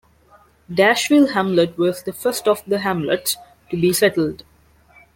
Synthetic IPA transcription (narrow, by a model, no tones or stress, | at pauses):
ɖæʃʋɪlɦæ̃mləʈʋɔzd̪əfəɾsʈɔʋd̪əɦæ̃mlə̰ʈs | ʈubisɛʈl̩ɖ